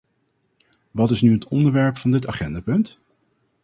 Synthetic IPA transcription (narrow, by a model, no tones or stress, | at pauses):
ʋɑtɪsnyɦətɔ̰ndəɹʋɛɹpfɑndɪtaχɛndaːpɵnt